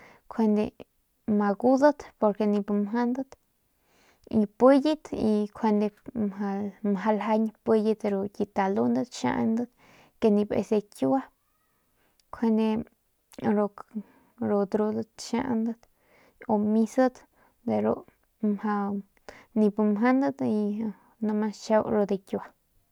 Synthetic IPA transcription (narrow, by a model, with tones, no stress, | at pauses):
kʷʰe˧nd̪e˧ | ma˧ɡu˦d̪ə˦t̪po˧ɾke˧nĩ˧pmɦa˦nd̪ə˦t̪ | i˧pə˦ji˦t̪i˧kʰwe˧nd̪e˧mɦa˧mɦa˧lɦa˧ɲpe˧ji˧d̪ɾo˧ki˧t̪a˨lu˦nd̪ə˦t̪ʃã̰˧ʔand̪ə˦t̪ | ke˧nĩ˧bḛ˧se˧ku˦wa˦ | kʰwe˧nd̪e˧ | ɾo˧k | ɾo˧d̪ɾu˧d̪ə˦t̪ʃa̰˦ʔnd̪a˦t̪ | o˧mi˧sə˦d̪ | d̪e˧ɾo̰˧ | mha˧ | ni˧bmɦa˦nd̪a˦d̪i˧ | nu˧ma˧t͡ʃa˧wɾo˧d̪e˧kʲju˧a˧